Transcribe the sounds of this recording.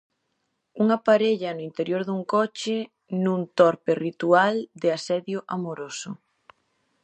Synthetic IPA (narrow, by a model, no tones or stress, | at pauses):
uŋapaɾeʎɐnoint̪eɾjoɾðuŋkɔt͡ʃɪ | nũnt̪ɔɾperit̪uald̪ɪasɛðjʊʔamoɾosʊ